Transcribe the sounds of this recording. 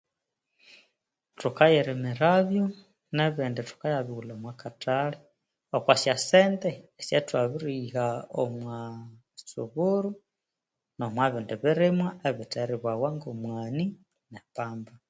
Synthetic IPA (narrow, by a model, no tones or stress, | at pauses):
tukajɛɾimɛɾaβjɔ | nɛβindɛtu̥kajaβiɣulaomwakataɺi | okwasjasɛnd̪ɛːsɛtwaβiɾihaomwa | sṵβuɾu | nomwaβindɛβiɾimwaʔeβitɛɾiβwawaŋɡomwani | nɛpaːmba